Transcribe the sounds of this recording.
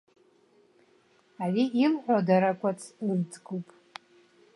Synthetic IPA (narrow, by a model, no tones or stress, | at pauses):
ariilħʷᶣadaɾakʷʼat͡sʰrd͡zɡupʼ